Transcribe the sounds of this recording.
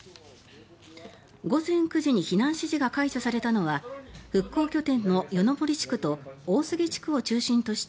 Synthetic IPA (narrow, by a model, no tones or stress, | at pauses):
ɡo̞zẽ̞ŋkɯ̟ʑiɲ̟içinãɰ̃ɕiʑiɡakaiɕasaɾe̞t̪ano̞βaɸɯ̟kːo̞ːkʲo̞t̪ẽ̞nːo̞jo̞no̞bo̞ɾʲit͡ɕi̥kɯ̟t̪o̞oːsɨɡʲe̞t͡ɕi̥kɯ̟o̞t͡ɕɨːɕĩnt̪o̞ɕi̥t̪